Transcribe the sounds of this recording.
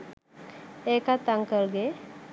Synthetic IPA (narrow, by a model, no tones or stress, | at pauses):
ekat̪aŋkəɾɡe